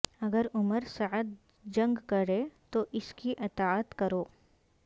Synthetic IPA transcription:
ɐɡəɾʊməɾsɐʕəd̪̚ | d͡ʒɐ̃ŋɡkɐɽet̪oʔɪskiʔɪt̪aːət̪kɐɾoː

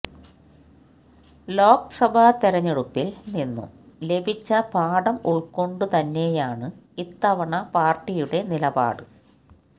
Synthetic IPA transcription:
lo̞ːksɐbʱat̪iɾɐɲːeɽupːilninːṵle̞bʱit͡ɕːɐpaːɽɐmuɭko̞ɳɖut̪ɐnːe̞jaːɳɨit̪ːɐʋɐɳɐpaːrʈːijuɽe̞nilɐba̰ːɽɨ

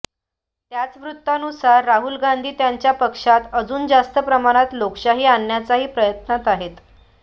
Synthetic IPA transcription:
t̪jat͡sʋɾut̪ːanusaɾːaɦuːlɡand̪ʱiːt̪jaɲt͡ɕjapəkʂat̪əd͡zuːnd͡zast̪əpɾəmaɽ̃at̪lokʂaɦiːanjat͡saɦiːpɾəjət̪nat̪aɦet̪

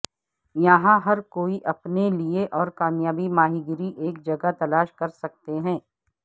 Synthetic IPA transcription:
jɐɦãɦɐɾkoːiʔɐpnelieʔɔːɾkaːmjaːbimaːɦiɡɪɾiʔeːk̚d͡ʒɐɡat̪ɐlaːʃkɐɾsɐk̚t̪eɦɛ̃ː

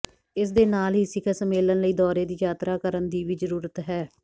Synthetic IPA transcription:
ɪs̬d̪eːnaːlɦiːsɪkʰəsəmeːlənləiːd̪ɔːɾeːd̪iːjaːt̪ɾaːkəɾənd̪iːʋiːzəɾuːɾət̪ɦɛː

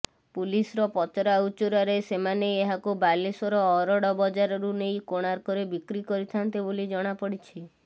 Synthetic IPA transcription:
pulisɔɾɔpɔt̪ɾaut͡ʃuɾaɾesemaneeɦakubalesɔɾɔːɾɔɽɔbɔd͡ʒaɾɔɾunejkoɽ̃aɾkɔɾebikɾikɔɾit̪ʰant̪ebolid͡ʒɔɽ̃apɔɽit͡ʃʰi

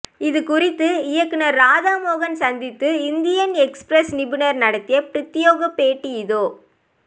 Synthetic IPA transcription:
ɪðɯkʊɾɪt̪ːɯɪjɐkːɯnɐɾːaːðaːmoːɣɐnsɐnd̪ɪt̪ːɯɪnd̪ɪjɐnɛkspɾɐsnɪbɯnɐɾnɐɽɐt̪ːɪjɐpɾɪt̪ːɪjoːɣɐpːeːʈːiɪðoː

